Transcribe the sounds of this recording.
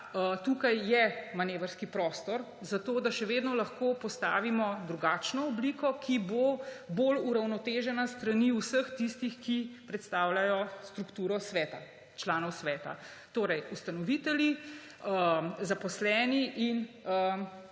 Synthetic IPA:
ət̪ukajːɛmaneːʋəɾskipɾɔːst̪ɔɾ | zat̪oːd̪aʃɛʋeːd̪nɔlɐxkopɔst̪a̰ːʋimɔd̪ɾuɡat͡ʃnɔɔblikɔkʰiboboluɾawnɔt̪eːʒɛnast̪ɾaniusəxt̪ist̪ixkipɾɛt̪st̪aːwlajɔst̪ɾukt̪uːɾɔsʋɛːt̪a̰ | t͡ʃlaːnɔwsʋɛːt̪a̰ | t̪oːɾɛjust̪anɔʋit̪ɛlji | əzapɔslɛːniʔinə

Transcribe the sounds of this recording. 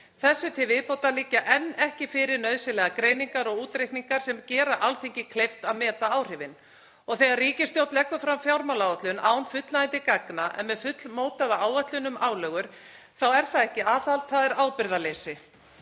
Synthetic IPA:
θɛsːʏt̪ʰɪvɪðpowt̪aliːcːaʔɛnːɛhcɪfɪɾɪɾnœɥðsɪlɛːɣakɾeːjniŋkaɾɔɣuːt̪ɾejhkniŋkaɾ̥sɛmcɛːɾaʔalθeɲcɪkʰlejft̪aðmɛːt̪aaːwr̥ɪvɪn | ɔɣθɛːɣaɾriːcɪst̪jowt̪lɛkːʏfɾamfjawɾmawlawat̪lʏnʔa̰ːwnfʏt̪laɪnt̪ɪkaknaʔɛ̰nmɛðfʏt̪lmoːwt̪aðaaːwat̪lʏnʏmaːwlœːɣʏɾ̥ | θawɛɾ̥θaðɛhcɪaːθalt̪θaðɛɾaːwpɪɾðalejsɪ

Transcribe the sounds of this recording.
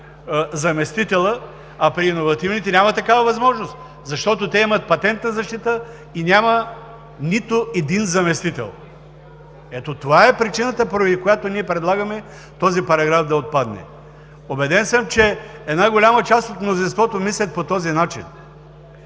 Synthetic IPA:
zɐmɛst̪it̪ɛlˠə | ɐpɾiːnovɐt̪ivnit̪ɛnʲamɐt̪ɐkavɐvɐzmɔʒnost̪ | zɐʃt̪ɔt̪ot̪ɛimɐt̪̚pɐt̪ɛnt̪nɐzɐʃt̪it̪ə | inʲamɐ | nit̪ʊɛd̪inzɐmɛst̪it̪ɛ̰lˠ | ɛt̪ot̪ovaɛpɾit͡ʃinət̪əpoɾɛd̪ikojat̪oniɛpɾɛd̪lˠaɡɐmɛ | t̪ɔzipɐɾɐɡɾafd̪ɐot̪̚pad̪nɛ̰ | obɛd̪ɛnsəmt͡ʃɛɛd̪naɡolʲamət͡ʃast̪ot̪mnozinst̪vɔt̪omislʲɐt̪̚pot̪ɔzinat͡ʃḭn

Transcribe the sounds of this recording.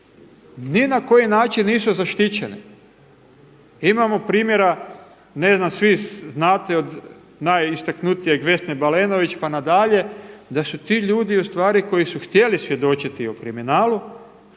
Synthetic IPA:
ninako̞jinaːt͡ʃinːiːsuzaʃt̪it͡ɕenḭ | imamo̞pɾiːmje̞ɾa | neznamsʋiznaːt̪eo̞d̪ | najist̪aknut̪ijeɡʋe̞snebaleno̞ʋit͡ʃpanad̪aʎe̞d̪asut̪iːʎuːd̪iust̪ʋaːɾiko̞jisuxt̪je̞lisʋje̞d̪o̞t͡ʃit̪iokɾiminaːlu

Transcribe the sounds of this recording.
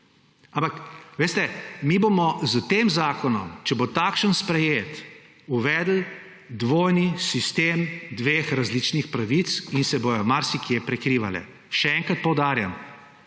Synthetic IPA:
ãmpakʋeːst̪ɛmibomɔzət̪eːmzaːkɔnɔmt͡ʃɛbot̪akʃənspɾɛjeːt̪ | uʋɛːd̪l̩ | d̪ʋoːjnisist̪eːmd̪ʋeːxɾazlit͡ʃnixpɾaʋisinsɛbojɔmaɾsikjepɾɛkɾiːʋa̰lɛ̰ | ʃɛɛŋkɾat̪̚pɔwd̪aːɾjam

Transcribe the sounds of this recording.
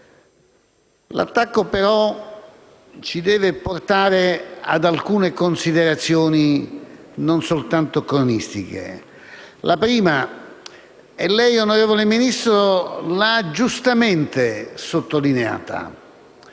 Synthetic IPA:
la̰t̪ːakːopeɾɔ | t͡ʃid̪ɛːveport̪aːɾea̰d̪alkuːnekonsid̪eɾat̪sːjɔːni | nonsolt̪ant̪okɾonist̪ik̟ḛ | lʔapɾiːma | ɛlːɛjonoɾeːvoleminist̪ɾolaad͡ʒust̪ament̪esot̪ːolinea̰ːt̪a̰

